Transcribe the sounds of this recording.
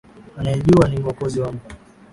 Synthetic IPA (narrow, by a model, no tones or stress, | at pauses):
anajɛʄuaniwakɔziwamba